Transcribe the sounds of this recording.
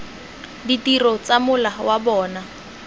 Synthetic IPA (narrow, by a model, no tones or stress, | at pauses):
ditirɔt͡samʊlawabɔːna